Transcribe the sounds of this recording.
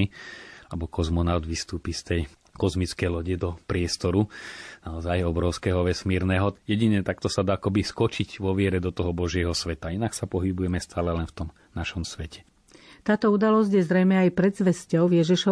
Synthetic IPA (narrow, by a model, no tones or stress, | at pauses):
ilɛbɔkɔzmɔnaʊd̪ʋist̪uːpist̪ɛj | kɔzmit͡skɛjlɔɟɛd̪ɔpɾɪɛst̪ɔɾunaɔzajɔbɾɔʊskɛɦɔʋɛsmiːɾnɛːɦɔjɛɟiɲɛt̪akt̪ɔsad̪aːakɔbiskɔt͡ʃiɟʋɔʋɪɛɾɛd̪ɔt̪ɔɦɔbɔʒɪɛɦɔsʋɛt̪ainaksapɔɦibujɛmɛst̪ʰaːlɛlɛnft̪ɔm | naʃɔmsʋɛcɛ̥ | t̪aːt̪ɔud̪alɔzɟjɛzɾɛjmɛajpɾɛd̪zʋɛscɔʊjɛʒiʃɔ